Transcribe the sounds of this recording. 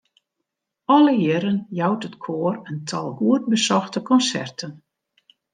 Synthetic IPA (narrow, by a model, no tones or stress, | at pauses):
ɔləjɪɾənjɔwtətkʰoːərəntʰɔlˠɦuət̚bəsɔxtəkɔnsɛ̰rtʰən